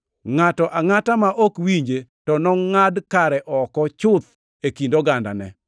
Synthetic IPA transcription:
ŋatɔʔaŋatamaʔɔkwiɲd͡ʒetɔnɔŋadkaɾɛʔɔkɔt͡ʃʊt̪ | ekindoɡanda̰nɛ̰

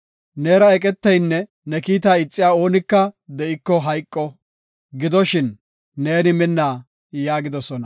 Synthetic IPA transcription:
neːɾɐɛkʼɛt̪ːɐjnːɛ | nɛkiːt̪aːɪt͡sʼːɪjaːo̞ːnɪkːɐd̪ɛʔɪkːɔɦɐjkʼːɔ | ɡɪd̪ɔʃɪnː | e̞ːnɪmɪnːaː | jaːɡɪd̪ɔsɔnɐ

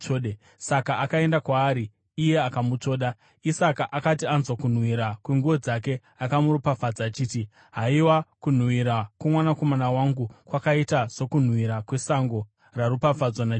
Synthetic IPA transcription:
oɗe | sakaːkae̞ndakwaːɾiː | je̞akamut͡so̞ːɗa | isakaʔakat̬ianzwakun̤wiɾakweŋɡuo̞d͡zake̞ | akamuɾupafad͡zaːt͡ʃiːti | ɦaiwakun̤wiɾakwemwanako̞manawaŋɡukwakaitaz̥o̞kun̤wiɾakwe̞saŋɡo̞ | raɾupafad͡zwana

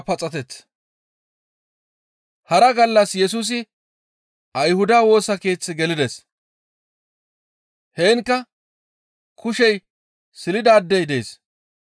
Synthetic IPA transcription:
pɐt͡sʼɐt̪ɛt͡s | hɐɾɐɡɐlːɐsjɛs̬uːs̬ɪ | ɐjhʊd̪aːwo̞ːsɐke̞ːt͡sːɪɡɛlɪd̪ɛs | heːŋkːɐ | kʰʊʃɛj | sɪlɪd̪aːd̪ːɛjd̪eːs

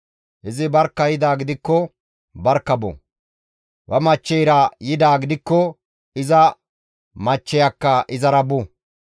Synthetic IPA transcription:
ʔɪzɪbɐɾkːɐjɪd̪aːɡɪd̪ɪkːɔ | bɐɾkːɐbɔ̰ | wɐmɐt͡ʃːɛjɾɐjɪd̪aːɡɪd̪ɪkːɔ | ɪzɐ | mɐt͡ʃːɛjɐkːɐʔɪzɐɾɐbʊ

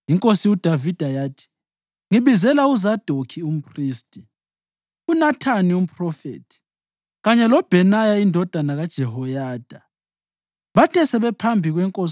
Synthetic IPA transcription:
iŋkʼosiud̥ʱavid̥ʱajaːtʰi̥ | ŋiβizɛlauzad̥ʱokʰium̩pʰʼriːstʼi | unatʰanium̩pʼrɔfḛːtʰi̥ | ɣaɲɛlɔb̥ʱɛnajaindʱɔd̥ʱanaɣad̥ʒ̥ʱɛhɔjaːd̥ʱa | βatʰɛsɛβɛpʰambʱiɣwɛŋkʼos

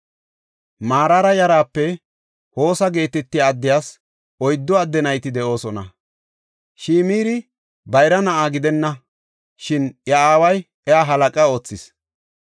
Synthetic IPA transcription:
maːɾaːɾɐjɐɾaːpːɛ | ho̞ːsɐɡe̞ːt̪ɛt̪ːɪjaːd̪ːɪjaːs | ɔjd̪ːɔɐd̪ːɛnɐjt̪ɪd̪ɛʔo̞ːsɔnɐ̰ | ʃiːmiːɾɪ | bɐjɾɐnɐʔaːɡɪd̪ɛnːɐ | ʃɪnjɐaːwɐj | ɛaːɦɐlɐkʼɐo̞ːt͡sːɪs

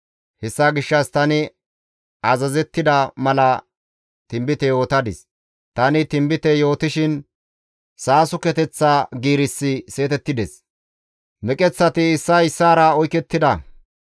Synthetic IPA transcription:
hɛsːaɡɪʃːɐst̪ɐnɪ | ɐzɐzɛt̪ːɪd̪ɐmɐlɐ | t̪ɪmbɪt̪ɛjo̞ːt̪ɐd̪ɪ̰s | t̪ɐnɪt̪ɪmbɪt̪ɛjo̞ːt̪ɪʃɪn | saːsʊkɛt̪ɛt͡sːaːɡiːɾɪsːɪse̞ːt̪ɛt̪ːɪd̪ɛs | mɛkʼɛt͡sːɐt̪ɪɪsːɐɪsːaːɾɐɔjkɛt̪ːɪd̪ɐ

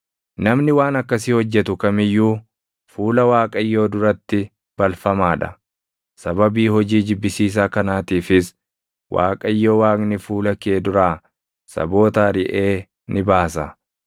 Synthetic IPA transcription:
nɐmnɪwaːnɐkːɐsiːhɔd͡ʒːɛt̪ʊkɐmɪjːuː | fuːlɐwaːkʼɐjːo̞ːd̪ʊɾɐt̪ːɪ | b̥ɐlfɐmaːᶑɐ̰ | sɐbɐbiːhɔd͡ʒiːd͡ʒɪbːɪsiːs̬aːkɐnaːt̪iːfɪs | wʔa̰ːkʼɐjːo̞ːwaːknɪfuːlɐkeːd̪ʊɾaː | sɐ̰bo̞ːt̪aːɾɪʔe̞ː | nɪbaːsɐ

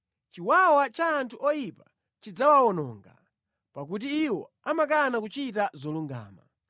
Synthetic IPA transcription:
t͡ʃiwawat͡ʃaːntʰuʔɔjipa | t͡ʃid͡zawaɔnɔːŋɡa̰ | pak̬ut̬iːwɔ̰ | amakanakut͡ʃitazɔluŋɡa̰ːma

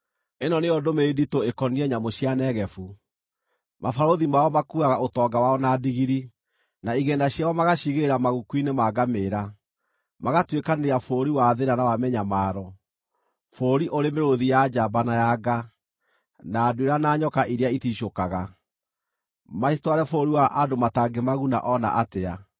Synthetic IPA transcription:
enɔneɔdomeːditoekɔniɛɲamoɕjanɛɣɛfu | mafaɾoðimaɔmakuaɣaotɔɡawaɔnadiɣiɾi | naiɣɛːndaɕjawɔmaɣaɕiɣeɾamaɣukwinemaɡameːɾa | maɣatwekaneɾeafoːɾiwaðeɾanawamɛɲamaːɾɔ | foːɾiʔoɾemeɾoðijad͡ʒabanajaɡa | naːdweɾanaːɲɔkaʔiɾeaitiʃokaɣa | maistwaɾɛfoɾiwaʔadomataɡemaɣuna̰ʔɔna̰ʔatea

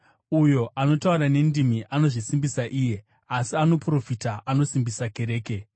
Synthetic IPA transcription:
ujo̞ʔano̞tauɾane̞ndimiʔano̞ʐisimbisaʔiːje̞ | asiano̞pro̞fitaʔano̞simbisake̞ɾe̞ːke̞

